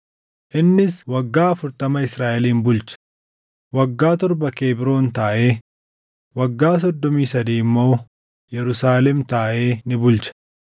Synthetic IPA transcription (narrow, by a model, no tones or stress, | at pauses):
ʔɪnːɪswɐɡːaːɐfʊɾt̪ɐmɐɪsɾaːʔɛliːnbʊlt͡ʃɐ̥ | wɐɡːaːt̪ɔɾbɐke̞ːbɪɾo̞ːnt̪aːʔe̞ː | wɐɡːaːs̬ɔd̪ːɔmiːsɐd̪iːmːo̞ː | jɛɾʊsaːlɛmt̪aːʔe̞ːnɪbʊlt͡ʃɐ̥